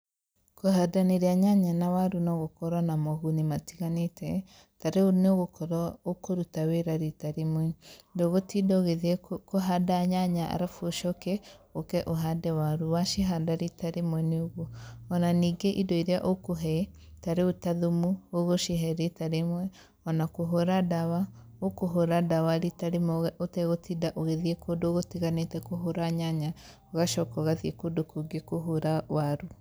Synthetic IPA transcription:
koɦadaneɾeaɲaɲanawaɾunɔɣokɔɾanamɔɣunimatiɣanetʰɛ | taɾeoneoɣokɔɾɔokoɾutaweɾaɾitaɾemwɛdoɣotidɔɣeðɛkoɦadaɲaɲaʔa̰ɾafoʃɔkɛokɛʔoɦadɛwaɾuwaʃeɦadaɾitaɾemwɛneoɣoɔnaniːɡeʔidɔiɾeaʔokoɦɛ | taɾeotaðumuoɣoʃeɦɛɾetaɾemwɛ | ɔnakoɦoɾadawa | okoɦoɾadawaɾitaɾemɔɣɛʔotɛɣotidaʔoɣeðiekodoɣotiɣanetɛkoɦoɾaɲaɲa | oɣaʃɔkɔɣaðiekodokoɡekoɦoɾawaɾu

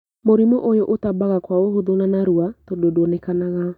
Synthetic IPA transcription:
moɾimoʔojoʔotabaɣakwaohoðonanaɾuatododwɔnɛkanaɣa

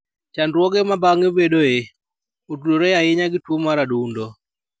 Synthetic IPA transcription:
t͡ʃandɾwɔɡemabaŋebedoe | utudoɾejaɪɲaɡɪtwomaɾaduundo

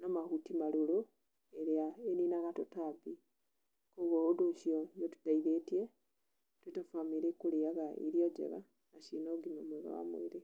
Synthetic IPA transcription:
namahutimalulu | eɾaeninaɣatotabi | koβouduʃionotu̥taiðetje | twetafamiɾekuliaɣaḭɾjoɟḛɣa̰ | naʃinoɡinomweɣa̰wa̰mṵiɾe

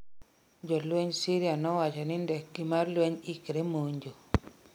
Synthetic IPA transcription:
d͡ʒɔlweɲsiɾjanɔwat͡ʃanindehɡimaɾlweɲikeɾemoɲd͡ʒo

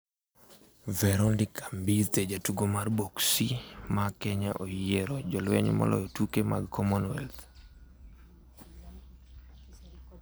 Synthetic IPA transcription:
vɛɾɔndikʰambit̪ed͡ʒatuɡomarboksimakɛɲaʔojeɾɔd͡ʒɔlwɛ̰ɲmɔ̰lɔ̰jɔtukema̰ɡkʰɔmɔnwɛlt̪

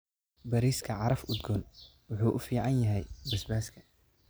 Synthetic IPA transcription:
bɐɾiːskʰɐʕɑɾɐfʊd̪ɡɔn | wʊħuːʔʊfiːʕɑnjɐɦɛjbɐsbaːskʰɐ̥

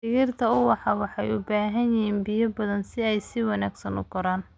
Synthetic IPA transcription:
ɪɣɪrt̪ʰɐʊwɑħɑwɑħɑjʊbaːɦɐnjɪhiːnbɪjɐbɐðɐnsɪɛjsɪwɑnaːɡsɐnʊ̰ɡɔɾaːn

